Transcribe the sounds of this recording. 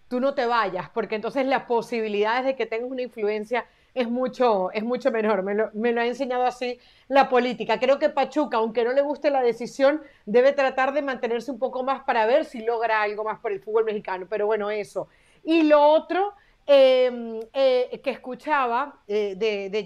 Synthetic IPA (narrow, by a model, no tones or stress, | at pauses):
t̪uno̞t̪e̞β̞aʝaspo̞ɾkeːnt̪o̞ns̬e̞zlaspo̞siβ̞iliðað̞e̞zðe̞ket̪eŋɡasunaiɱflue̞nsja | e̞zmut͡ʃo̞e̞zmut͡ʃo̞me̞no̞ɾmelome̞loae̞ns̬e̞ɲað̞oasi | lapo̞lit̪ikakɾe̞o̞ke̞pat͡ʃukaːwŋke̞no̞le̞ɣ̞ust̪elað̞e̞sisjo̞nd̪e̞β̞e̞t̪ɾat̪aɾðe̞mãnt̪e̞ne̞ɾseumpo̞ko̞maspaɾaβ̞e̞ɾsilo̞ɣ̞ɾaalɣo̞maspoɾe̞lfud̪βo̞lme̞xikano̞pe̞ɾo̞βwe̞no̞e̞so̞ | ilo̞ot̪ɾo | emekeːskut͡ʃaβ̞aeðeðe